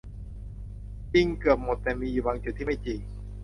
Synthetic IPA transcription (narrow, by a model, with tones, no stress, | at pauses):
t͡ɕi˧ŋkɯ˨˩əp̚mo˨˩t̪ːɛː˨˩miː˧juː˨˩waː˧ŋt͡ɕu˨˩t̪̚ʰːiː˥˩ma˥˩jt͡ɕi˧ŋ